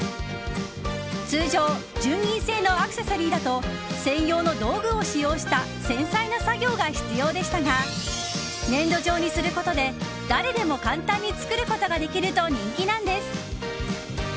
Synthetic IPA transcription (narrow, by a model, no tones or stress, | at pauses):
t͡sɨːʑo̞ː | d͡ʑɨːɲʲĩɰ̃se̞ːno̞akɯ̟se̞soɾʲiːd̪at̪o̞ | sẽ̞jo̞ːno̞d̪o̞ːɡɯ̟o̞ɕijo̞ːɕi̥t̪a | sẽ̞ɰ̃sainosaɡʲo̞ːɡaçi̥t͡sɨjo̞ːd̪e̞ɕi̥t̪aɡa | nẽ̞nd̪o̞ʑo̞ːɲ̟isɨɾɯ̟ko̞t̪o̞d̪e̞ | d̪̥aɾe̞d̪e̞mo̞kãnt̪ãɲ̟ːit͡sɨ̥kɯ̟ɾɯ̟ko̞t̪o̞ɡad̪e̞kʲiɾɯ̟t̪o̞ɲ̟ĩŋkʲinãnd̪e̞sɨ̥